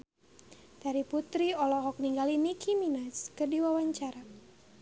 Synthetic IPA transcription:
d̥aɾiput̪ɾiɔlɔɦɔk̚niŋɡalinikʰiminaskərdiwawaɲt͡ʃaɾa

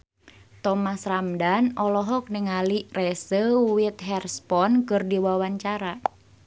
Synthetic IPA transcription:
t̪ɔmasramdanɔlɔɦɔk̚nəŋalirɛsəwit̪̚ɦɛrspɔnkɨrdiwawaɲt͡ʃaɾa

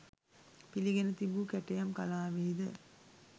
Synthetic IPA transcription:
piliɡenət̪ibuːkæʈɐjamkalaːʋiːd̪ə

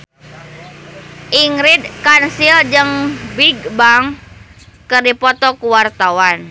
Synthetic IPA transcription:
ʔiŋɾid̪̚kansild͡ʒəŋbiɡ̚baŋ | kərdipɔt̪ɔkuwart̪awan

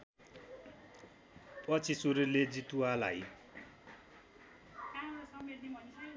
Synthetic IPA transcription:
pʼʌt͡sʰisuɾuled͡zit̪uala̰j | sʌeʈ̪nemʌn

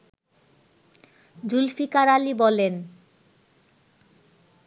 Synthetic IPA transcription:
d͡ʑulfikaɾalibɔlen

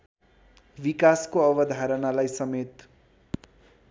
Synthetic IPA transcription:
bikaskoʌbʌd̪ʱaɾʌnalajsʌmet̪

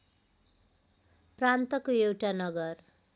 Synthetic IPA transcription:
prant̪ʌkoewʈanʌɡʌr

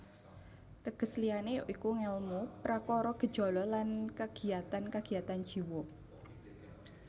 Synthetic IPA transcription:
t̪əɡ̥əslianeʔikuŋɛlmupɾakɔɾɔɡ̥ə̤̥ʒ̥ɔ̤lɔlankaɡ̥i̤at̪ankaɡ̥i̤at̪an̥ʒ̥iwo

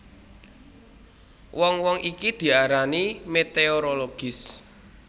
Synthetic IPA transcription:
wʔɔŋwɔŋʔikid̪̥i̤aɾanimet̪eoɾoloɡ̥ɪs

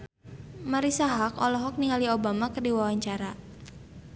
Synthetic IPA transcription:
maɾisaɦakɔlɔɦɔk̚niŋaliobamakərdiwawaɲt͡ʃaɾa

